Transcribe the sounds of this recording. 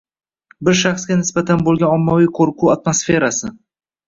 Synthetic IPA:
bɪɾʃaχsɡʲanɪsbat̪ʰanbolˠɡʲanɒmːavijqʰoɾqʰuat̪mosfe̞ɾasɪ

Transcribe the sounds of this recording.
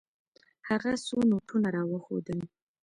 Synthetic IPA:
haɣasonoʈʰunaɾɑwəxo̰d̪əl

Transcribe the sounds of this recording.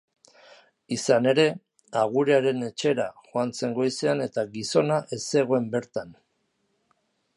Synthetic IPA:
isane̞ɾe̞ | aɣ̞uɾeaɾe̞ne̞t͡ʃe̞ɾaʝoant͡se̞ŋɡo̞jse̞ane̞t̪aɣiso̞naʔe̞se̞ɣoe̞mbe̞ɾt̪an

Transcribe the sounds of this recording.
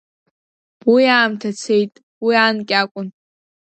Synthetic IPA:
bijaːmtʰat͡sʰe̞jtʼ | wiaːnkʲʼakʷʼʊn

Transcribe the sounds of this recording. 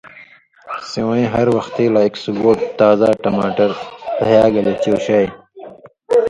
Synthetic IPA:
sewẽːɦɐɾwɐxt̪eːlaːeksuɡoːʈt̪aːzaːʈɐmaːʈɐɾpɐɦjaːɡɐlet͡ɕoːɕaːj

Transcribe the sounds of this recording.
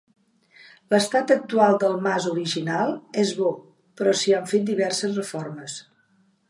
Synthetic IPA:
ləst̪at̪ək̚t̪ualˠd̪əlˠmazuɾiʒinalˠezβɔ | pɾɔsiaɱfet̪̚d̪iβɛrsəzrəfɔrməs

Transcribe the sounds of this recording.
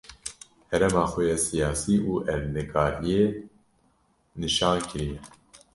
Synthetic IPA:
hɛɾɛmɑːxɛjɛsijɑːsiːʔuːʔɛvnɨkɑːvije | nɨʃɑːnkʰɨɾijɛ

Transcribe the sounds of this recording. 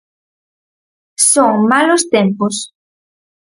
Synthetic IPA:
soŋmalost̪empos

